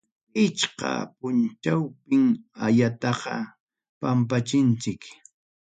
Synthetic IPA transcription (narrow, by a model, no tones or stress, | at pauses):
ɪt͡ʃqɑ̰pʊnt͡ʃawpɪŋaʎat̪ɑqɑ̰ | pampat͡ʃɪnt͡sɪk